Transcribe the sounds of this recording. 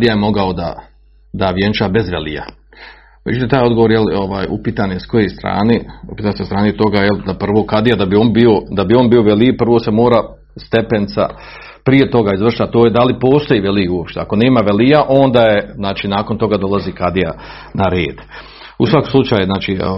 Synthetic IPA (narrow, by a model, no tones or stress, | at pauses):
ad̪ijajemo̞ɡaod̪a̰ | d̪aʋjent͡ʃaːbe̞zʋḛlḭja̰ | met͡ʃut̪it̪aːjo̞d̪ɡoʋoɾjeloʋaːjṵpiːt̪anjesko̞jest̪ɾa̰ːneṵpiːt̪ansest̪ɾaːnet̪o̞ɡajeld̪apr̩ʋo̞ːkad̪ijad̪abioːnbio̞d̪abio̞ːnbiːo̞ʋelipr̩ʋo̞se̞mo̞ːɾa | st̪e̞pent̪sa̰ | pɾije̞t̪o̞ɡaizʋr̩ʃt̪at̪oːjed̪alipo̞ːst̪o̞jiʋeliuopʃt̪eako̞ne̞ːmaʋelijaʔo̞nd̪aːjeznaːt͡ʃiːnaːkont̪o̞ɡad̪o̞lˠazikad̪ija | naɾeːd̪ | usʋako̥slˠut͡ʃaːjuznaːt͡ʃi